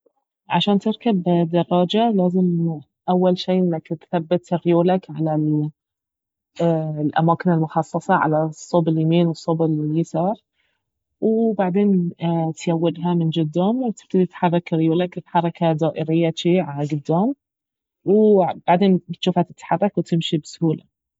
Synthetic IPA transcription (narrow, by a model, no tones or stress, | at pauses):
ʕa̰ʃaːnt̪ɪɾkabd̪ɑrˤːɑːd͡ʒalaːzɪm | ʔawːalʃiːʔɪnːakt̪θabːɪt̪ɾɪjuːlakʕalal | lʔa̰maːkɪnɪlmʊxɑsˤːɑsˤɑʕa̰lasˤːʊbɪljamiːnwɨsˤːʊbɪljɪsɑːɾˤ | wbaʕd̪eːnt̪jawːɪd̪ɦamɪnd͡ʒʊd̪ːamw̚t̪ɪ̥b̥̚t̪ad̪it̪ḁħɑrˤːɑkɾjuːlakɪt̪ħɑɾˤɑkad̪aːʔɪɾɪjːat͡ʃiʕalaɡʊd̪ːaːm | wb̥aʕd̪eːnt̪ʃuːfhat̪ɪt̪ːḁħɑrˤːɑkwt̪ɪmʃibsʊhuːla̰